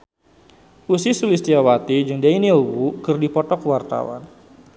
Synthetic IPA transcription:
usisulist̪iawat̪id͡ʒɨŋdainiowukərdipɔt̪ɔkəwart̪a̰wa̰n

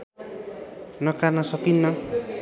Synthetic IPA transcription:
nʌkarnʌsʌkinːʌ

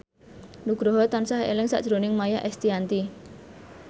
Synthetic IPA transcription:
nuɡ̥ɾɔɦɔt̪ansaɦḛlɪŋsa̰ʔd̥ʒ̥ɾonɪŋmajaʔɛst̪iant̪i

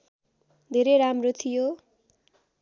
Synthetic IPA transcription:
d̪ʱeɾejɾamrot̪ʰijo

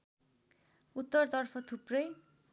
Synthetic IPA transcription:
ut̪ːʌrt̪ʌrpʰʌt̪ʰuprʌj

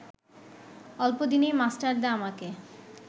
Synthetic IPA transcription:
ɔlpod̪inejmasʈaɾd̪ɛamake

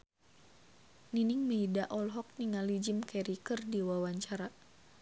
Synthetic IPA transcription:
niniŋməidaʔɔlɦɔk̚niŋalid͡ʒimkɛɾikərdiwawaɲt͡ʃaɾa

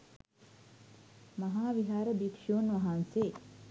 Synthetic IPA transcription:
mɐɦaːʋiɦaːɾəbikʂoːnʋɐɦanseː

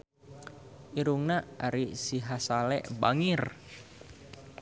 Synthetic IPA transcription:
ʔiɾuŋnaaɾisiɦasalɛ̰ʔbaŋɪr

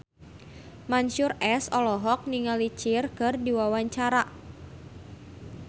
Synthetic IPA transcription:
maɲʃʊrɛsɔlɔɦɔk̚niŋalit͡ʃɪrkɨrdiwawaɲt͡ʃaɾa

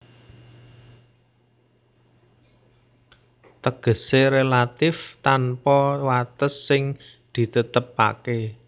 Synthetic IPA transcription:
t̪əɡ̥ə̤seɾelat̪ɪft̪anpɔwat̪əsːɪŋ | d̪̥i̤t̪ət̪əp̚a̰ke

